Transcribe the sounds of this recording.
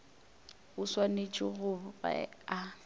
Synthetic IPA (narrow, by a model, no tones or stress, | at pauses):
ʊswanet͡ʃʼɪɣʊba̰a